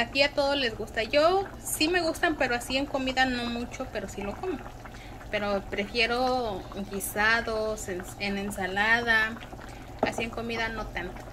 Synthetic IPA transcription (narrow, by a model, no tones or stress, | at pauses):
at̪iat̪oðozle̞zɡust̪aʝo | sime̞ɣust̪ampe̞ɾoasieŋko̞miðanomut͡ʃo̞pe̞ɾosilo̞komo | peɾopɾe̞fjeɾoɡisaðosenenensalaða | asieŋkomiðano̞t̪ant̪o̥